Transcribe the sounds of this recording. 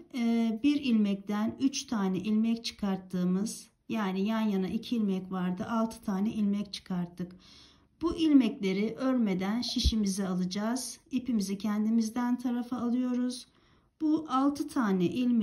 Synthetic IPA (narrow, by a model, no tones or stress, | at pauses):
biɾilʲmɛc̚t̪ʰænyt͡ʃt̪ʰaːnɛʔilʲmɛct͡ʃʰɯ̥kʰaɾt̪ʰːɯːmɯz̥ | jaːnijanjanaʔicʰiːlʲmɛcvaɾd̪ɯʔalˠt̪ʰɯ̥t̪ʰaːnɛʔilʲmɛct͡ʃʰɯ̥kʰaɾt̪ʰːɯk | b̥uʔilʲmɛclʲe̞ɾiʔøɾme̞d̪ænʃiʃimizɛalˠɯd͡ʒaːz̥ipimizicʰɛnd̪imizd̪ænt̪ʰaɾafaːlˠɯjo̞ɾuz̥ | b̥uʔalˠt̪ʰɯt̪ʰaːnɛʔilʲm